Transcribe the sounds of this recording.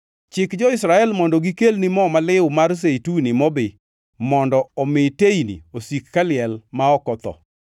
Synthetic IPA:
t͡ʃɪkd͡ʒɔɪsɾaɛlmɔndɔɡikelnimɔmalɪʊmars̬eitunimɔbɪ | mɔndɔɔmɪteinḭosikːalɪɛlmaɔkɔt̪ɔ̰

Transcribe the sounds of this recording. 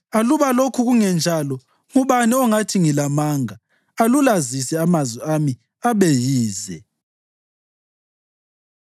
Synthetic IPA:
aluβalokʰuɣuŋɛnd͡ʒʱalɔ | ŋuβaniɔŋatʰiŋilamaːŋa | alulazisɛamazwɛami | aβejiːzɛ

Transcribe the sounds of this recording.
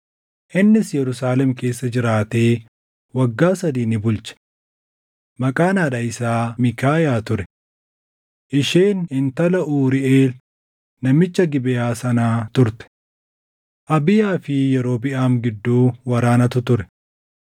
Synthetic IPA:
ʔɪnːɪsjɛɾʊsaːlɛmke̞ːsːɐd͡ʒɪɾaːt̪e̞ː | wɐɡːaːsɐd̪iːnɪbʊlt͡ʃɛ̥ | mɐkʼaːnaːᶑɐɪsaːmɪkaːjaːt̪ʊɾɛ̥ | ʔɪʃeːnɪnt̪ɐlɐʔuːɾɪʔeːl | nɐmɪt͡ʃːɐɡɪbɪjaːsɐnaːt̪ʊɾt̪ɛ̥ | ʔɐbɪjaːfɪjɛɾo̞ːbɪʔaːmɡɪd̪ːuːwɐɾaːnɐt̪ʊt̪ʊɾɛ̥

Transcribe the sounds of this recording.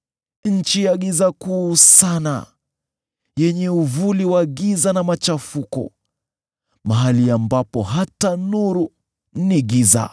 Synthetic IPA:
nɲ̩t͡ʃijaɠizakuːsana̰ | jɛɲɛuvuliwaɠizanamat͡ʃafukɔ̰ | maɦaliambapɔɦatanuɾu | niɠiza̰

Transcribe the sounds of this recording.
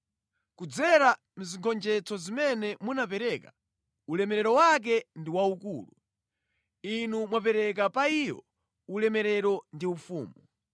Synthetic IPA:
kud͡zɛɾa | m̩ziŋkʰɔnd͡ʒɛt͡sɔzimɛnɛmunapɛɾɛka | ulɛmɛɾɛɾɔwak̬ɛndiwaukṵːlu | inumwap̬ɛɾɛk̬apaijɔ̰ | ulɛmɛɾɛɾɔndiufṵːmu

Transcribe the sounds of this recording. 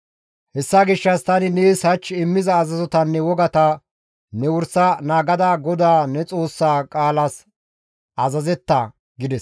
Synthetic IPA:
hɛsːaɡɪʃːɐst̪ɐnɪneːshɐt͡ʃːɪmːɪzɐːzɐzɔt̪ɐnːɛwɔɡɐt̪ɐ | nɛwʊɾsɐnaːɡɐd̪aːɡɔd̪aːnɛt͡sʼo̞ːsːaːkʼaːlɐs | ʔɐzɐzɛt̪ːɐ | ɡɪd̪ɛs

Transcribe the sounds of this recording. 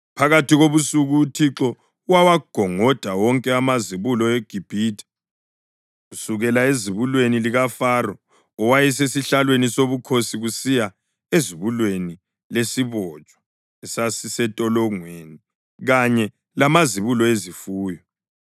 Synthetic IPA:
pʰaɣatiɣoβusuɣuːtʰiǁɔ | uwawaɡ̥ʱɔŋɔd̥ʱawɔŋkʼɛamaziβulɔɛɡ̥ʱib̥ʱiːtʰʼḁ | usuɣɛlaeziβulweniliɣafarɔ | ɔwajɛsesiɬalwenisoβukʰosiɣusija | eziβulweni | lesiβɔt͡ʃʼwḁ | ɛsasisɛtʼɔlɔŋweːni | ɣaɲɛ | lamaziβulɔezifuːjɔ

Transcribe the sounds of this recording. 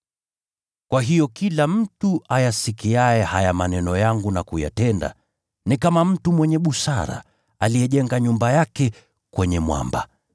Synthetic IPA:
kwaɦijɔkilam̩tuʔajasikiaɛhajamanɛnɔjaŋɡunakuja̰tɛnda̰ | nikamam̩tumwɛɲɛɓusaɾa̰ | alijɛʄɛŋɡaɲumbajakɛ | kwɛɲɛmwa̰mba̰

